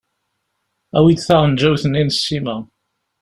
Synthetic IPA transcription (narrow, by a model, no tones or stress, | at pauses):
æwid̪θaʁˤənd͡ʒæwθəninsːimæ